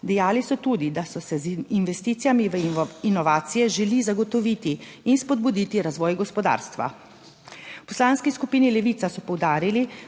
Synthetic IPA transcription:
d̪ɛjaːlisɔt̪uːd̪id̪asɔsɛzinʋɛst̪iːt̪sijamiʋəinɔʋaːt̪sijɛʒɛlizaɡɔt̪ɔʋit̪iːnspɔd̪̚bud̪iːt̪iɾazʋɔːjɡɔspɔd̪a̰ːɾst̪ʋa̰ | pɔslaːnskiskupiːnilɛʋit̪sasɔpɔwd̪aːɾili

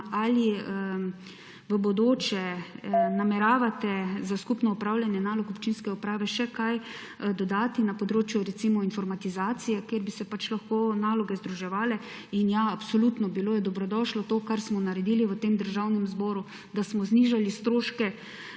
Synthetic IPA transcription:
ali | ʋəbɔd̪oːt͡ʃɛ | namɛɾaːʋat̪ɛzaskupnɔupɾawlʲjanjɛnaːlɔkɔpt͡ʃinskɛupɾaːʋɛʃɛkaj | d̪ɔd̪aːt̪inapɔd̪ɾoːt͡ʃjuɾɛsiːmɔinfɔɾmat̪izaːt̪sijɛkjeɾbisɛpat͡ʃlaxkoːnaːlɔɡɛzd̪ɾuʒɛʋaːlɛ | injaapsɔlut̪nɔbiloːjɛd̪ɔbɾɔd̪ɔʃlɔt̪oːkaɾsmɔnaɾɛd̪iliʋət̪emd̪əɾʒawnɛmzbɔːɾu | d̪asmɔzniʒalist̪ɾoːʃkɛ

